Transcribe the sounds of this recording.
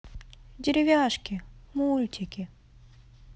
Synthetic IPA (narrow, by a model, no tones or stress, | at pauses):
dʲɪɾʲɪvʲaʂkʲɪmulʲtʲɪkʲɪ